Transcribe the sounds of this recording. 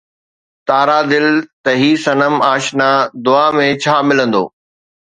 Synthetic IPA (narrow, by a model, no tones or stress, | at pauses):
t̪aːɾad̪ɪlt̪ɐɦiːsɐnəmaːʃnaːd̪ʊaːmẽt͡ɕʰaːmɪlə̃nd̪o̰ː